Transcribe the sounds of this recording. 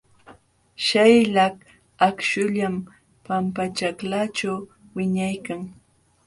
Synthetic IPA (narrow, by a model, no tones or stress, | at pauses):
ʃajlak | akʃʊʎam | pampat͡ʃaklat͡ʃaw | wɪɲajkaŋ